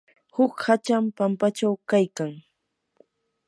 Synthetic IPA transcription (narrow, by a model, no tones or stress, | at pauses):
hʊkhat͡ʃampampat͡ʃawkajkaŋ